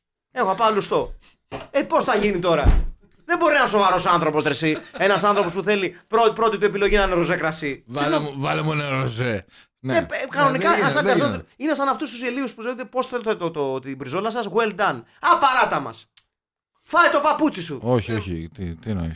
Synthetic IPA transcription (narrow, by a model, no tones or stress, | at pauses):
e̞xoapɐlust̪o̞ | epo̞sθɐʝinit̪o̞ɾɐ̰ | ðembo̞ɾinɐso̞vaɾo̞soɐnθɾo̞po̞st̪ɾesie̞nɐsɐnθɾo̞po̞spuθe̞lipɾopɾo̞t̪it̪ue̞pilo̞ʝinɐneɾozekɾɐsisivɐlemuneɾoze | nekɐno̞nikɐɐsɐnɐt̪ot̪inesɐnɐft̪ust̪useliuspuzeot̪epo̞set̪t̪oot̪ibɾizolɐsɐsɣweld̪ɐn | ɐpaɾɐt̪ɐmɐ̰s | fɐjt̪o̞paput͡sisuoçioçḭt̪it̪inɐ̰